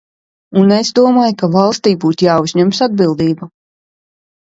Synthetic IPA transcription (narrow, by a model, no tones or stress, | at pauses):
unezd̪uɔmaːjkavalˠst̪iːbuːt̪jaːuzɲɛmsad̪̚bilˠd̪iːbu